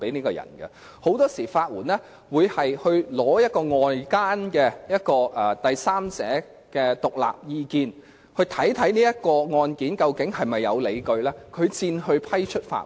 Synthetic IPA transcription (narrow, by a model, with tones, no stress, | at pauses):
pe˨˥jniː˥kɔː˧jɐ̰˨˩nɡɐ̰˧ | ho˨˥wt̪ɔː˥siː˨˩faː˧t̚wuː˨˩nɛː˥ | wuː˨˧jhɐ˨jhɵ˧ɥlɔː˨˥jɐ˥t̚kɔː˧ŋɔː˨˧jkaː˥nkɛ˧jɐ˥t̚kɔː˧ʔɛː˨t̪ɐ˨jsaː˥mt͡sɛ̰ː˨˥ | kɛː˧t̪ʊ˨k̚la̰ː˨p̚jiː˧kiː˧n | hɵ˧ɥt̪ʰɐ˨˥jt̪ʰɐ˨˥jniː˥jɐ˥t̚kɔː˧ŋɔː˧nkiː˨˥nkɐ˧wkɪ˨˥ŋɦɐ˨jmɐ˨jːɐ̰˨˧wle˨˧jkɵ˧ɥlɛː˥kʰɵ˨˧ɥt͡siː˧nhɵ˧ɥpʰɐ˥jt͡ʃʰɵ˥t̚fa̰ː˧˥